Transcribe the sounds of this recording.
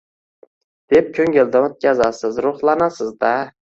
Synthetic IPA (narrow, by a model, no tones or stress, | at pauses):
d̪̥ep̚kʲʰɵŋɡʲeld̪aot̪̚kʲʰazasɪzɾʊχlˠanasɪzd̪a